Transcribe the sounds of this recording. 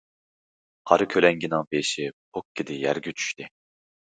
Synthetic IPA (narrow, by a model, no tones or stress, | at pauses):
qʰɑɾɨkʲʰølɛŋɡʲinɪŋbeʃɪp̚ʰokʰʲːɪd̪ɪjæɾɡʲyt͡ʃʰy̥ʃt̪ɪ